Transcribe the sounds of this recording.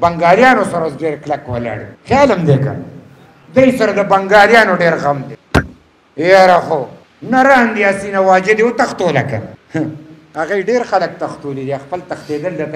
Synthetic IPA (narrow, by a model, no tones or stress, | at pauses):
bɐŋɡɑːlijɑːnosaɾawosɖeːɾklakwala̰ːɽḭxjɑːləmd̪eka̰ | d̪ajsɐɾad̪əbɐŋɡɑːljɑːnoɖeːɾɣamd̪e | jɑɾaxo | naɾɑːnd̪iasinawaːd͡ʒed̪iwot̪axt̪oːlaka̰h | aɣajɖeɾxalək̚t̪ɐxt̪oːlid̪iaxpəlt̪ɐxt̪eːd̪əld̪at̪